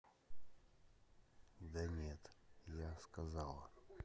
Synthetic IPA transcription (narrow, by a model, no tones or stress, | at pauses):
d̪ənʲet̪jaskɐzalˠə